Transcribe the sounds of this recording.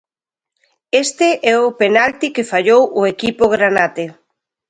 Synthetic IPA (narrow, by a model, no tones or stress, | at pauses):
est̪ɪʔɛʊpenalt̪ikefaʎowʔʊekipʊɣɾanat̪e